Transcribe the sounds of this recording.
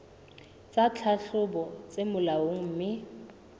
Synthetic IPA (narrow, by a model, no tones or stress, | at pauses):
t͡sʼat͡ɬʰaɬʊbɔt͡sʼemʊlawoŋ̩m̩ːmɪ